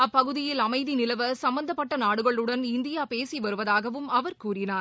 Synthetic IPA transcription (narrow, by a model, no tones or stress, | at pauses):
ɐpːɐɣɯðɪjɪlɐmɐɪðinɪlɐʋɐsɐmbɐnd̪ɐpːɐʈːɐnaːɽɯɣɐɭɯɽɐnɪnd̪ɪjaːpeːsiʋɐɾɯʋɐðaːɣɐʋɯmɐʋɐɾkuːɾɪnaːɾ